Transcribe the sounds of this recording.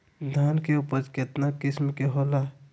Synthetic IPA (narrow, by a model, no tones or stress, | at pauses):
d̪ʱaːnkeupəɾkɪt̪nakɪsmkeɦoːla